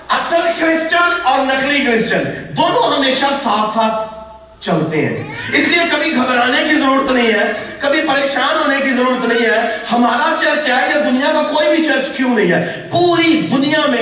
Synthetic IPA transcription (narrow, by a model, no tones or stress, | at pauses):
ɐsəlxɾɪst͡ʃənɔːɾnɐklikɾɪst͡ʃənd̪oːnõɦɐmeːʃasaːfaːt̪ | t͡ʃɐlt̪eɦɛ̰̃ːɪsliekɐbʱiɡʱɐbɾaːnekizəɾuːɾət̪nɐɦĩɦɛːkɐbʱipɐɾeːkʃaːnɦoːnekizəɾuːɾət̪nɐɦĩɦɛhɐmaːɾat͡ʃɐɾt͡ʃjaːɦkad̪ʊnijakakoːibʱit͡ʃɐɾt͡ʃkjõnɐɦĩɦɛːpuːɾid̪ʊnijamẽ